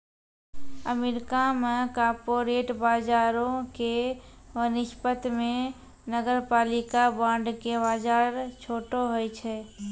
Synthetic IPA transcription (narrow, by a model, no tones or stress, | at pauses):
əmeːɾɪkamẽkaːɾpoːɾeːʈbaːd͡ʒaːɾõkeʋənɪʃpət̪mẽ | nəɡəɾpaːlɪkabãːɳɖkebaːd͡ʒaːɾt͡ʃʰoːʈoɦoet͡ʃʰɛː